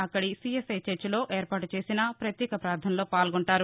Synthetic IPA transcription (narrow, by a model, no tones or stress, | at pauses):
ɐkːɐɽisiesɐjt͡ʃet͡ʃːlo̞ːʔeːɾpaːʈut͡ʃe̞ːsinɐpɾɐt̪jɛːkɐpɾaːɾd̪ʱʰɐnlo̞ːpaːlɡoɳʈaːɾu